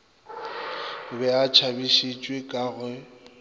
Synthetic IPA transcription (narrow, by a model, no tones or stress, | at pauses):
ʊbɛat͡ʃʰabiʃit͡ʃʼwekʼaːɣwɛ